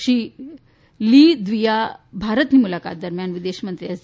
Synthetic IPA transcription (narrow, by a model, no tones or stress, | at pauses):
ɕi | lid̪ʋijabʱaɾət̪nimulaka̰t̪̚d̪əɾmjanʋid̪eɕmənt̪ɾijas